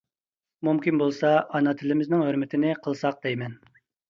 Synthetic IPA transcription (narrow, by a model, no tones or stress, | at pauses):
mumkʲinbolˠsɑʔɑnɑt̪ʰɪlɪmɪznɪŋɦøɾmɪt̪ʰɪnɪqʰəlˠsɑq̚d̪ɛjmɛn